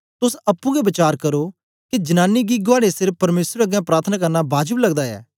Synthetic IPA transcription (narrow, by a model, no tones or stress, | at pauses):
t̪ʊsɐpːũɡɛbɐt͡ʃaːɾkɐɾo | kid͡ʒɐnãːnːiɡiɡʊaːɽesɪɾfpɐɾmeːsɾɐɡjɛ̃pɾaːɾt̪ʰənaːk̬ɐɾnabaːd͡ʒəblɐɡd̪aɛ̰ː